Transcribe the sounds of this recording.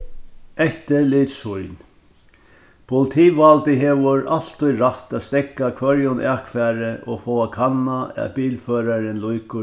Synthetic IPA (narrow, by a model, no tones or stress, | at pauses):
ɛht̪ɪliːt̪shʊjn | pʰʊlɪt̪ʰiːʋalt̪ɪɦeːʋʊɾʔal̥t̪ʊjɾaht̪æːt̪st̪ɛkːakʰvœɾjʊnʔakfɛːɾɪʔɔfoːakʰanːaɛ̰piːlføːɾaɾɪnlujkʊ